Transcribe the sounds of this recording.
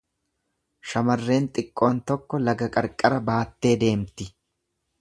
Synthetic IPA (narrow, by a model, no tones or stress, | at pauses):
ʃɐmɐrːe̞ːnt̪ʼɪkʼːo̞ːnt̪ɔkːɔlɐɡɐkʼɐɾkʼːɐɾɐbaːt̪ːe̞ːd̪e̞ːmt̪ɪ